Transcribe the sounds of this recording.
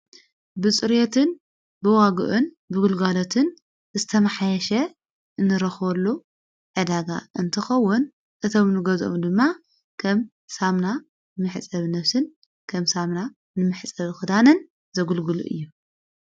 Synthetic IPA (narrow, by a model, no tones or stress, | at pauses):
bɨt͡sʼɨɾjet̪ʰɨn | bɨwaɡɨ̰ʔun | bɨɡulɡalot̪ʰɨn | zɨt̪ʰɐmħajɛʃɐ | ʔɨnːɨɾɐxβɐlːu | ʕɨd̪aɡa̰ɨnt̪ʰɨxɐwːʊn | ʔɨt̪ʰomnɨɡɐzo̰md̪ɨmːa | kʰɐm | samna | nɨmɨħt͡sʼɐβnɐfsɨn | kʰɐmsamna | nɨmɨħt͡sʼɐβxɨd̪anɨn | zɐɡulɡɨlṵʔɨ̰jːu